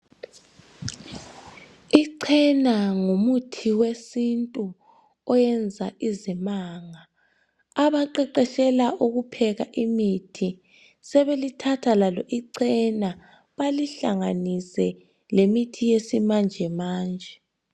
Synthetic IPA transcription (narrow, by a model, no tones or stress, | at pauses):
iǀʰɛnaŋumutʰiwesintʼu | ɔjɛnd͡zʱaʔizimaːŋaː | βaǃɛǃɛʃɛlaʔuɣupʰɛɣaʔimitʰi | sɛβelitʰatʰalalɔʔiǀɛna | βaliɬaŋanisɛ | lemitʰijesimand͡ʒʱɛmaːnd͡ʒʱɛ